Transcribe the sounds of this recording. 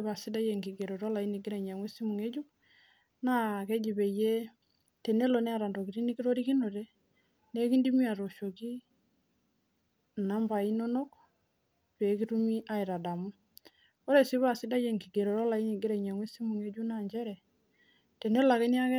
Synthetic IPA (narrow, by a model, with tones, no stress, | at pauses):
ba˨si˦da˦je˨ŋɡi˨ɡe˨ɾo˨ɾɔ˦la˨i˦ni˨ɡɪ˦ɾɛ˨ɲa˨ŋwe˦si˦mu˨ŋe˦d͡ʒu˦ | na˦kɛ˦d͡ʒi˨be˨je˦ | te˨ne˦lo˨nɛ˦a˨ɾa˨ndo˨ki˨ɾi˦ni˦ki˦ɾo˦ɾi˦ki˦no˨te˦ | ne˦ki˦ndi˦mi˦a˨ɾo˨ʃo˨ki˦˨ | na˨˦mba˨i˦no˦no˦k | pe˨˦ki˦tu˦mi˦ʔa˦i˨ɾa˨da˨mu˦ | o˦ɾe˨si˦βa˨si˦da˦je˨ŋɡi˨ɡe˨ɾo˨ɾɔ˦la˨i˦ni˨ɡɪ˦ɾɛ˨ɲa˨ŋwe˦si˦mu˨ŋe˦d͡ʒu˦na˦˨ɲd͡ʒɛ˦ɾɛ˨ | te˨ne˦la˨kɛ˦ni˦a˦kɛ˦